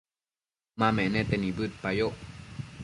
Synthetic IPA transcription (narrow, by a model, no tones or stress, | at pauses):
maːmɛnɛt̪ɛnibɯt̪̚pajoʔ